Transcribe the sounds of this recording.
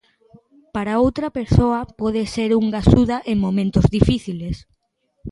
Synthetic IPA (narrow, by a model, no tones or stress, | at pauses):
paɾaowt̪ɾɐpeɾsoɐpɔðeseɾuŋɡasuðɐʔeŋmomẽnt̪ozðifiθiles